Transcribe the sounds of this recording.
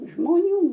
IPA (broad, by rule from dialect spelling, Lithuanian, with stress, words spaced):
ʒmoːˈnʲuː